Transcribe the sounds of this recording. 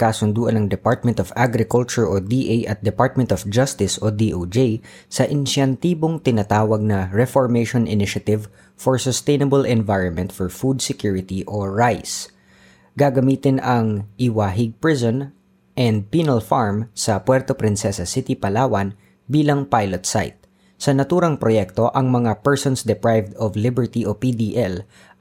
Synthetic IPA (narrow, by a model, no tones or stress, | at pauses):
kaːsʊnd̪uːʔɐnɐŋd̪ɛpaɹt̪̚mɛ̃nt̪ɔfaɡɾɪkʊlt͡ʃʊɹʔod̪iːʔejʔɐt̪̚d̪ɛpaɹt̪̚mɛ̃nt̪ɔfd͡ʒɐst̪ɪsod̪iːʔod͡ʒej | sɐʔɪnʃɐnt̪iːboŋt̪ɪnat̪aːwɐɡ̚nɐɹɛfɔɹmejʃɔnɪnɪʃɐt̪ɪv | fɔɹsɔst̪ejnɐbɐlʔɛnvajɹɔnmɛ̃nt̪fɔɹfud̪̚sɛkjuɹɪt̪iʔoɹajs | ɡaɡɐmiːt̪ɪnɐŋʔɪwaɦɪɡ̚pɹɪsɔn | ʔɛnd̪̚piːnɐlfaɹmsɐpwɛɹt̪opɾɪnsɛsɐsɪt̪ipɐlaːwɐn | biːlɐŋpajlot̪sa̰jt̪̚ | sɐnɐt̪uːɾɐŋpɾojɛk̚t̪o̞ʔɐŋmɐŋapɛɹsɔnsd̪ɛpɹajvd̪ɔvlɪbɛɹt̪iʔopid̪iʔɛl